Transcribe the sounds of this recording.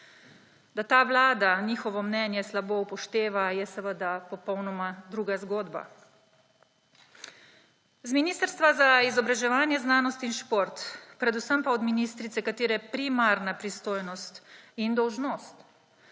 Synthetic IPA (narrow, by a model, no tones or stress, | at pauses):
d̪at̪aːʋlaːd̪aniːxɔʋɔmnɛnjɛslabopɔʃt̪eːʋajɛsɛʋəd̪apɔpɔwnɔmad̪ɾuːɡazɡoːd̪ba̰ | zminiːst̪əɾst̪ʋazaizɔbɾaʒɛʋaːnjɛznaːnɔst̪inʃpoːɾt̪pɾɛd̪usəmpaɔd̪miniːst̪ɾit̪sɛkat̪iːɾɛpɾimaɾnapɾist̪oːjnɔst̪ind̪ɔwʒnoːst̪